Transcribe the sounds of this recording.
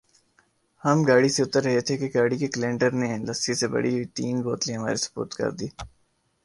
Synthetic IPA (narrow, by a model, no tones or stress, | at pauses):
hɐmɡaːɽiseʊt̪əɾːɐɦet̪ʰekeɡaːɽikeklẽːɳʈəɾnelɐsisebɐ̰ɽiit̪iːnboːt̪lĩɦɐma̰ːɾisʊ̥bṵːt̪kɐ̰ɾd̪iː